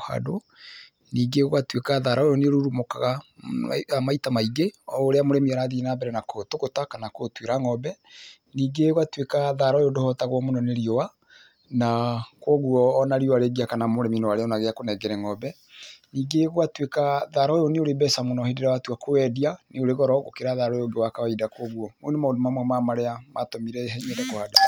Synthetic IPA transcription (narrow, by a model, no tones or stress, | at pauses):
ha̰do | niːɡeɣwatwekaðaɾaojoneoɾuɾumokaɣa | amaitamaiɡeɔoɾeamoɾɛmiaɾaðinambɛɾɛnakotokotakanakotweɾaŋɔbɛ | niːɡeɣwatwekaðaɾaɔjodohɔtaɣwɔmonɔneɾiɔwa | nakwɔɣuɔːnaɾioaɾeɡiakanamoɾɛminɔwaɾeɔnaɣeakonɛɡɛɾɛŋɔbɛ | niːɡeɣowatwekaðaɾɔjoneoɾebɛsamonɔhedeɾawatwakowɛdianeoɾeɣɔɾɔɣo̰keɾaðaɾɔjoŋɡewakawaidakwɔɣwɔmonomaodomamwɛmamaɾeamatomiɾɛɦɛɲɛndɛkohada